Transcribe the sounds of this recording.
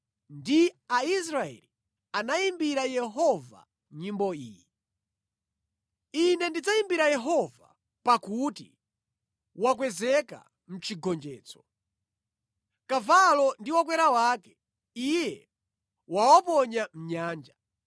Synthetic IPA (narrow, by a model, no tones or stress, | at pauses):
ndiais̬ɾaɛ̰li | anaimbiɾajɛɦɔva̰ | ɲimbɔiːji | inɛndid͡zaimbiɾajɛɦɔva̰ | pakuti | wak̬wɛzɛka̰ | m̩t͡ʃʰiɡɔnd͡ʒɛːt͡sɔ̥ | kavalɔndiwak̬wɛɾawaːkɛ | ijɛ | wawɔpɔɲam̩ɲaːnd͡ʒa